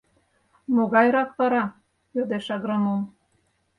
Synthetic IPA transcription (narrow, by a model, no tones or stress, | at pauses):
moɣɑjɾɑkβɑɾɑ | jød̪eʃɑɣɾɑmom